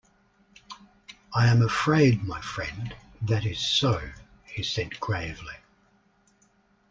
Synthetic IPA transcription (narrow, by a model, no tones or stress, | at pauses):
aɪɨ̃məfɹeɪd̚maɪfɹɛ̰̃n | ðɨɾɪz̥səʊ | hisɛd̚ɡɹeɪvli